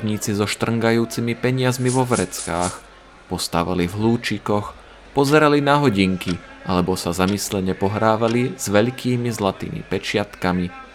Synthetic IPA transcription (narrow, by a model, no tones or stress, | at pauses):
ɲiːt͡sizɔʃt̪r̩ŋɡajuːt͡simipɛɲɪazmiʋɔʋɾɛt͡skaːx | pɔst̪a̰ʋa̰livɦluːt͡ʃikɔx | pɔzɛɾalinaɦɔɟiŋki | ʔalɛbɔsazamislɛɲɛpɔɦɾaːʋaliz̥ʋɛʎkʰiːmizlat̪ḭːmḭpɛt͡ʃɪat̪kami